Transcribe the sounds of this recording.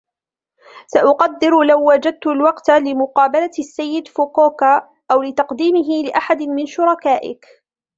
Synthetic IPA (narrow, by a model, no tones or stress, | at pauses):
saʔʊqɑd̪ːɪɾlawːad͡ʒad̪̚t̪ʊlwɑqt̪lɪmʊqɑːbalasːajːɪd̪fokoːka | ʔawlɪt̪ɑqd̪iːmɪɦɪlɪʔaħad̪mɪnʃʊɾˤɑkaːʔɪ̰k